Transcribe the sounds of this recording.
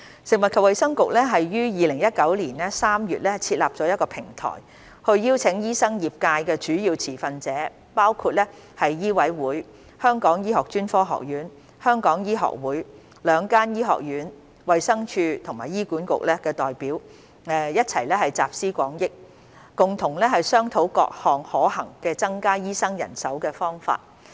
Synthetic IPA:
sɪ˨ŋwɐ˨t̚kʰɐ˨p̚wɐ˨˧jsɐ˥ŋkʊ˨k̚lɛː˥ɦɐ˨jːyː˥jiː˨lɪ˨˩ŋjɐ˥t̚kɐ˨˥wliː˨˩nlɛ˥saː˥mjyː˨t̚lɛ˥t͡sʰiː˧t̚la̰ː˨p̚t͡sɔː˨˥jɐ˥tkɔː˧pʰɪ˨˩ŋt̪ʰɔ̰ː˨˩j | hɵ˧ɥjiː˥wt͡sʰɪ˨˥ŋjiː˥sɐ˥ŋjiː˨p̚kaː˧jkɛː˧t͡ʃyː˨˥jiː˧wt͡sʰiː˨˩fɐ˧nt͡sɛː˨˥ | paː˥wkʰu˧t̚lɛː˥ | hɐ˨jːiː˥wɐ˨˥jwuː˨˥j | hœː˥ŋkɔː˨˥ŋjiː˥ɦɔː˨k̚t͡ʃyː˥nfɔː˥ɦɔ̰ː˨k̚jyː˨˥n | hœː˥ŋkɔː˨˥ŋjiː˥ɦɔ̰ː˨k̚wuː˨˥j | lœː˨˧ŋkaː˥njiː˥ɦɔ̰ː˨k̚jyː˨˥n | wɐ˨jsɐ˥ŋt͡ʃʰyː˧t̪ʰʊ˨˩ŋmaː˨˩jiː˥kuː˨˥nkʊ̰˨k̚lɛː˥kɛː˧t̪ɔː˨jpiː˨˥w | ɛː˨jɐ˥t̚t͡sʰɐ˨˩jlɛː˥hɐ˨jt͡sa̰ː˨p̚siː˥kʷɔ̰ː˨˥ŋjɪ˥k̚ː | kʊ˨ŋt̪ʰʊ˨˩ŋlɛ˥ɦɐ˨jsœː˥ŋt̪ʰo˨˥wkɔ̰ː˧k̚hɔː˨ŋhɔː˨˥hɐ̰˨˩ŋkɛː˧t͡sɐ˥ŋkaː˥jiː˥sɐ˥ŋjɐ̰˨˩nsɐ˨˥wkɛː˧fɔː˥ŋfa̰ː˧t̚

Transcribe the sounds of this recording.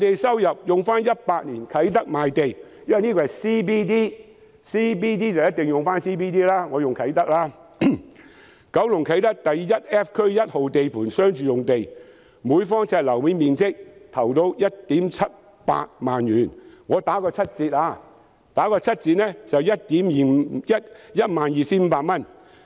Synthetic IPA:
t̪e˨jsɐ˥wjɐ˨p̚jʊ˨ŋfaː˥njɐ˥t̚paː˧t̚niː˨˩nkʰɐ˨˥jt̪ɐ˥k̚maː˨jt̪e˨jjɐ˥nɐ˨jniː˥kɔː˧hɐ˨˩jsiː˥p̬iː˥t̪iː˥ | siː˥p̬iː˥t̪̬iː˥t͡sɐ˨wjɐ˥t̚t̪ɪ˨ŋjʊ˨ŋfaː˥nsiː˥piː˥t̪iː˥laː˥ŋɔː˨˧jʊ˨ŋkʰɐ˨˥jt̪ɐ˥k̚laː˥ | kɐ˨˥wlʊ˨˩ŋkʰɐ˨˥jt̪ɐ˥k̚t̪ɐ˨jːɐ˥t̚ɛː˦˥p̚kʰɵ˥ɥjɐ˥t̚ho˨wt̪e˨jpʰuː˨˩nsœː˥ŋt͡ʃyː˨˧jʊ˨ŋt̪e˨j | muː˨˧˥jfɔː˥ŋt͡sʰɛː˧t̚lɐ˨˩wmiː˨˧miː˨nst͡sɪ˥k̚t̪ʰɐ˨˩wt̪o˧wjɐ˥t̚t̪iː˨˥mt͡sʰɐ˥t̚ | pa̰ː˧t̚maː˨njyː˨˩nŋɔː˨˧t̪aː˨˥kɔː˧t͡sʰɐ˥t̚t͡siː˧t̚laː˧ | t̪aː˨˥kɔː˧t͡sʰɐ˥t̚t͡siː˧t̚nɛ˥t͡sɐ˨wjɐ˥t̚t̪iː˨˥mjːjɐ˥t̚jɐ˥t̚maː˨njiː˨siː˥m̩ː˨˧paː˧t̚mɐ˥n

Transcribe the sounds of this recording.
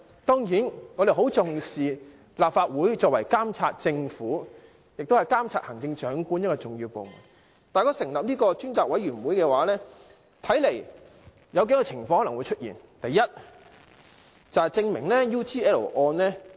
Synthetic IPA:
t̪ɔː˥ŋjiː˨˥nŋɔː˨˧d̪e˨ɦo˨˥wt͡sʊ˨ŋsiː˨ | laː˨p̚faː˧t̚wuː˨˥jt͡sɔː˧k̚wɐ˨˩jkaː˥mt͡sʰaː˧t̚t͡sɪ˧ŋfuː˨˥ | jɪ˨k̚t̪o˥hjkaː˥mt͡sʰaː˧t̚hɐ˨˩ŋt͡sɪ˧ŋt͡ʃœː˨˥ŋkuː˥njɐ˥tkɔː˧t͡sʊ˨ŋjiː˧wpo˨˧wmṵ˨˩n | t̪aː˨˩jkɔː˧sɪ˨˩ŋlɐ˨p̚niː˥kɔː˧t͡ʃyː˥nt͡saː˨k̚wɐ˨˥jɥyː˨˩nwuː˨˥jkɛː˧waː˨˦lɛː˥ | t̪ʰɐ˨˥jle˨˩j | jɐ˨˧wke˨˥kɔː˧t͡sʰɪ˨˩ŋfɔ˧ŋhɔ˥lŋwu˨˧jt͡ʃʰt̚jḭː˨˩n | t̪ɐ˨jːɐ˥t̚ | t͡sɐ˨whɐ˨jt͡sɪ˧ŋmɪ˨˩ŋlɛː˥juː˥t͡siː˥ɛː˥lo̰˨˩ʔɔː˧nlɛː˥

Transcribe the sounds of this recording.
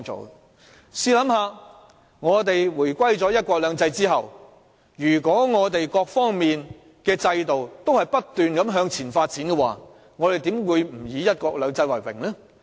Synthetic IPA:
o̰˨w | siː˧lɐ˨˥mɦaː˨˧ | ŋɔː˨˧t̪e˨jwuː˨˩jkʷɐ˥jt͡sɔː˨˥jɐ˥t̚kʷɔː˧k̚lœː˨˧ŋt͡sɐ˧jt͡siː˥ɦɐ̰˨w | jyː˨˩kɔː˨˥ŋɔː˨˧t̪e˨jkɔː˧k̚fɔː˥ŋmiː˨n | kɛː˧t͡sɐ˧jt̪o˨wt̪o˥whɐ˨jpɐ˥t̚t̪yː˨nkɐ˨˥mɦœː˨˧ŋt͡sʰiː˨˩nfaː˧t̚t͡siː˨˥nkɛ˧waː˨˩ | ŋɔː˨˧t̪e˨jt̪iː˨˥mwuː˨˧jm̩˨˩jiː˨˧jɐ˥t̚kʷɔː˧k̚lœː˨˧ŋt͡sɐ˧jwɐ˨˩jwɪ̰˨˩ŋlɛː˥

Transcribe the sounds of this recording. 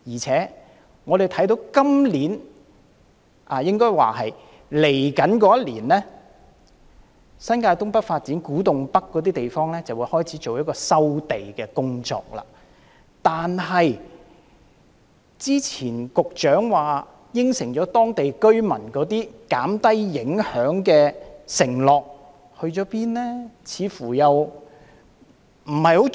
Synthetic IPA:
jiː˨˩t͡sʰɛː˨˥ | ŋɔː˨˧ɾe˨˩jt̪ʰɐ˨˥jt̪o˨˥wkɐ˥mliː˨˥n | ʔaː˨jɪ˥ŋkɔː˥jwa̰ː˨˩hɐ˨j | le˨˩jkɐ˨˥nkɔː˨˥jɐ˥t̚liː˨˩nlɛː˥ | sɐ˥nkaː˧jt̪ʊ˥ŋpɐ˥t̚faː˧t̚t͡siː˨˥nkuː˨˥t̪ʊ˨ŋpɐ˥kːɔː˨˧t̪̬iː˥t̪e˨jfɔː˥ŋlɛː˥t͡sɐ˨wuː˨˥jhɔː˥jt͡sʰiː˨˥t͡ʃo˨wjɐ˥tkɔː˧sɐ˥wt̪e˨jkɛː˧kʊ˥ŋt͡ʃɔ̰ː˧k̚la̰ː˧˩ | t̪aː˨nɦɐ˨j | t͡siː˥t͡sʰiː˨˩nkʊ˨k̚t͡ʃœː˨˥ŋwaː˨ | jɪ˥ŋsɪ˨˩ŋt͡ʃɔː˨˥t̪ɔː˥ŋt̪e˨jkɵ˥ɥmɐ˨˩nkɔː˨˥t̪iː˥kaː˨˥mt̪ɐ˥jːɪ˨˥ŋhœː˨˥ŋkɛː˧sɪ˨˩ŋlɔː˨k̚ | hɵ˧ɥt͡ʃɔː˨˥piː˥nlɛː˥t͡sʰiː˨˧fuː˨˩jɐ˨w | m̩˨˩hɐ˨jho˨˥

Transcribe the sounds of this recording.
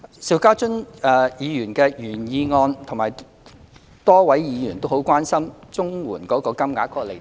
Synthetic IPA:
si˧wkaː˥t͡ʃʊ˥nɛ˧jiː˨˧jyː˨˩nkɛː˧jyː˨˩njiː˧ŋɔː˧nt̪ʰʊ˨˩ŋmaː˨˩j | t̪ɔː˥wɐ˨˥jjiː˨˧jyː˨˩nt̪o˥who˨˥wkʷaː˥nsɐ˥mt͡sʊ˥ŋwuː˨˩nkɔː˨˥kɔː˧kɐ˥mŋaː˨˥kʰɔː˧le˨˩

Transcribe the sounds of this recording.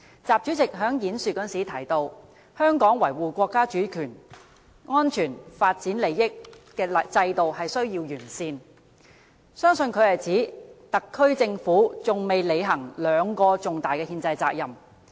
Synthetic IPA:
t͡saː˨p̚t͡ʃy˨˥t͡sɪ˨k̚ɦœː˨˥ŋjiː˨˥nsy˨kːɔː˥nsiː˨˥t̪ʰɐ˨˩jt̪o˧w | hœː˥ŋkɔː˨˥ŋwɐ˨˩jwuː˨˩kʷɔː˧kːaː˥t͡ʃyː˨˥kʰyː˨˩n | ŋɔː˥nt͡ʃʰyː˨˩nfaː˧t̚t͡siː˨˥nle˨˧jːɪ˥k̚ː | ɛː˧lɐ˨t͡sɐ˧jt̪o˨whɐ˨jsɵ˥ɥjiː˧wjyː˨˩nsiː˧n | sœː˥ŋsɵ˧nkʰɵ˨˧ɥhɐ˨jt͡siː˨˥t̪ɐ˨kʰːɵ˥ɥt͡sɪ˧ŋfuː˨˥t͡sʊ˨ŋme˨jle˨˧jɦɐ˨˩ŋlœː˨˧ŋkɔː˧t͡sʊ˨ŋt̪aː˨jkɛː˧hiː˧nt͡sɐ˧jt͡sa̰ː˧k̚jɐ˨m

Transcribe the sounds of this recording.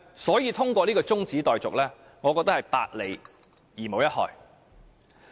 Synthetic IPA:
sɔː˨˥jiː˨˧t̪ʰʊ˥ŋkʷɔː˧liː˥kɔː˧t͡sʊ˥ŋt͡siː˨˥t̪ɔː˨jt͡sʊ˨k̚lɛː˥ | ŋɔː˨˧kɔ˧t̪ɐ˥hɐ˨jpa̰ː˧t̚le˨˩j | jiː˨˩mo˨˧wjɐ˥t̚hɔ̰ː˨j

